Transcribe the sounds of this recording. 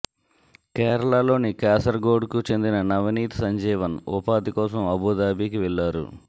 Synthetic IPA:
kɛːɾɐɭaːlo̞ːnikaːsɐɾɡoːɖkut͡ʃe̞nd̪inɐnɐʋɐniːt̪i̥sɐɲd͡ʒɛːʋɐnɔpaːd̪ikɔːsɐmɐbuːd̪aːbiːkiʋɛɭːaːɾṵ

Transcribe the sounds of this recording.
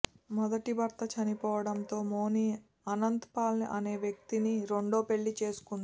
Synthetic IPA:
mɔd̪ɐʈibɐɾt̪ɐt͡ʃɐnipɔːʋɐɽɐnt̪o̞ːmoːniː | ɐnɐnt̪paːlɐniʔɐne̞ːʋjɐk̚t̪iniɾo̞ɳɖo̞ːpe̞ɭːit͡ʃe̞ːsu̥kund̪i

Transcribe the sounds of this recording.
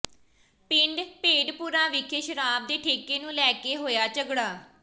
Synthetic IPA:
pɪ̃ɳɖpeːɖpuːɾaːʋɪkʰeʃəɾaːb̚d̪eːʈʰeːkeːnũːlɛːkeːɦoːjaːt͡ʃəɡɽaː

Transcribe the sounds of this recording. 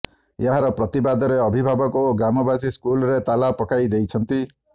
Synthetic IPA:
jaɦaɾɔpɾɔt̪ibad̪ɔɾeɔbʱibʱabɔkoːɡɾamɔbasiskulɔɾet̪alapɔkajd̪ejt͡ʃʰɔnt̪i

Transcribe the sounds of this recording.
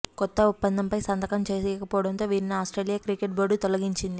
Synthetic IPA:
kɔt̪ːɐupːɐnd̪ʱɐmpɐjsɐnd̪ɐkɐmt͡ʃeːsɛːɐkɐpɔːɐɽɐnt̪o̞ːʋiːɾiniaːsʈɾeːlijaːkɾikeʈ̚boɖut̪ɔlɐɡiɲt͡ʃind̪i

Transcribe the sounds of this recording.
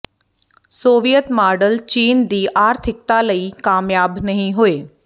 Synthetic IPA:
soːʋijət̪maːɾɖəlt͡ɕiːnd̪iːʔaːɾt̪ʰɪk̚t̪aləikaːmjaːbnɐɦĩɦʊeː

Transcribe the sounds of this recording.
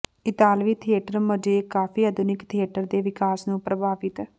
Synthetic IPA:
ɪt̪aːlʋiːt̪ʰieːʈəɾməd͡ʒeːkaːpʰiːəd̪ʊnɪkt̪ʰieːʈəɾd̪eːʋɪkaːsnũːpɾəbʱaːʋɪt̪

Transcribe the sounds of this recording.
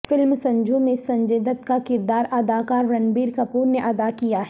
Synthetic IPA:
fɪlmsɐ̃ɲd͡ʒʱõmẽsɐ̃ɲd͡ʒeːd̪ət̪kakɪɾd̪aːɾʔɐd̪aːkaːɾːɐnbiːɾkɐpuːɾneʔɐd̪akijaɦ

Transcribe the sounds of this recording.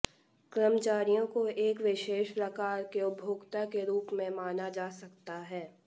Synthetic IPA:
kɾəmt͡ʃaːɾijõkoeːkʋɪʃeːʃpɾɐkaːɾkeʊbʱoːɡt̪akeɾuːpmẽmaːnad͡ʒaːsɐkt̪aɦɛː

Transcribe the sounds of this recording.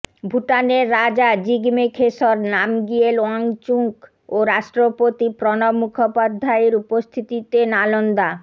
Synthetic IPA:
bʱuʈaneɾːad͡ʑad͡ʑiɡmekʰeʃoɾnamɡielaŋt͡ɕuŋk | oɾaʃʈɾopot̪ipɾɔnomːukʰopad̪ʱːaeɾupost̪ʰit̪it̪enalond̪a

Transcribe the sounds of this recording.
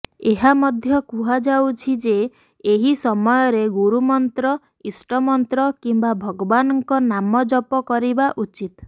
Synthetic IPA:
eɦamɔd̪ʱjɔkuɦad͡ʒawt͡ʃʰid͡ʒe | eɦisɔmɔjɔɾeɡuɾumɔnt̪ɾɔ | isʈɔmɔnt̪ɾɔkimbabʱɔɡɔbanɔŋkɔnamɔd͡ʒɔpɔkɔɾibaʔut͡ʃit̪

